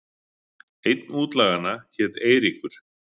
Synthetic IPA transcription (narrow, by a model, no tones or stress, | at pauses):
ejt̪nuːt̪laːɣanːaçɛːt̪eːjɾikʏɾ̥